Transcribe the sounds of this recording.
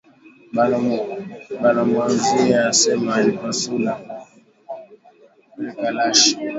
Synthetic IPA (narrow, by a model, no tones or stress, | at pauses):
balɔmbalɔmazujasɛmaikasula | akalaʃi̥